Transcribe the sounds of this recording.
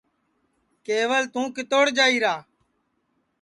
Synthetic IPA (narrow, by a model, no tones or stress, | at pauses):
keːʋəlt̪ũːkɪt̪oːɽd͡ʒaːiːɾaː